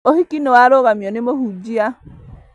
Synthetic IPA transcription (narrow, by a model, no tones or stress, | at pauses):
ohikinowaɾoɣamjɔnemoɦud͡ʒia